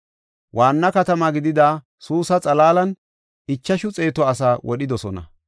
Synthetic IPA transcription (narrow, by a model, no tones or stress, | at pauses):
wʔaːnːɐkɐt̪ɐmɐɡɪd̪ɪd̪aː | suːsɐt͡sʼɐlaːlɐn | ɪt͡ʃːɐʃʊt͡sʼe̞ːt̪ɔɐsaːwʔɔɗɪd̪ɔsɔnɐ̰